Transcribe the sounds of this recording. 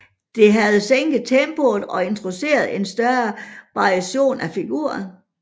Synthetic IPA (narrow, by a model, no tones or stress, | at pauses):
d̥e̝ɦæð̞̩ˠseŋ̰ɡ̥ð̩ˠt͡sʰemb̥ol̩ˠɒ̽e̝nt͡sʰʁo̝se̝̰ːɐð̞̩ˠe̝nsd̥ɶɐʋɑ̈ʁiæɕo̝̰ːnæfiɡ̥ṵɐn